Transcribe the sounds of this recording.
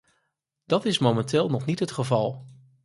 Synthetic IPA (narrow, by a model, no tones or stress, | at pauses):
d̥ɑtɪsmomɛntɪːlˠnɔχnitɦətχəvɑlˠ